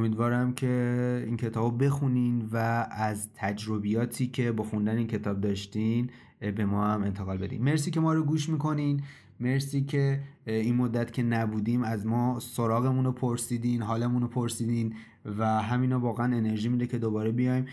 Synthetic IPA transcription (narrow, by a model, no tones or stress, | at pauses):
omiːd̪vɒːɾæmcʰe̞iːncʰe̞t̪ʰɒːbobe̞xuninvæːzt̪ʰæd͡ʒɾobijɒːt̪ʰiːcʰe̞bɒːxund̪æneiːncʰet̪ʰɒːb̚d̪ɒːʃt̪in | be̞mɒːæme̞nt̪ʰe̞ɣɒːlbe̞d̪ḭmːe̞ɾsiːce̞mɒːɾoɡuːʃmiːko̞niːn | me̞ɾsiːcʰe̞inmod̪ːæt̪cʲʰe̞næbuːd̪imæzmɒːsoɾɒːɣe̞munopʰoɾsiːd̪iːnɦɒːlemuːnopʰo̞ɾsiːd̪iːn | væɦæmiːnɔːvɒːɣeæne̞ne̞ɾʒiːmiːd̪ecʰe̞d̪obɒːɾebijɒjm